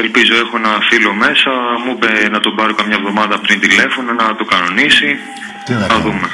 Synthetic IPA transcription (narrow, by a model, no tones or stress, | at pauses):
elpizo̞e̞xo̞enɐfilo̞me̞sɐmubenɐt̪obɐɾokɐmɲɐvðo̞mɐðɐpɾint̪ile̞fo̞nonɐt̪okɐno̞nisi | ɐðume